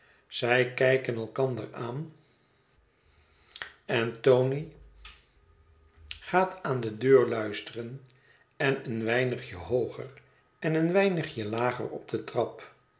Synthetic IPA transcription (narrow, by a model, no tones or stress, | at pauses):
z̥ɛjkɛjkənɛlˠkɑndəraːn | ɛntowni | χaːtʰaːndədøːɹlœɥstərən | ɛnənʋɛjnəχjəɦowχə̰r | ɛnənʋɛjnəχjəlaːχə̰rɔb̚dətrɑp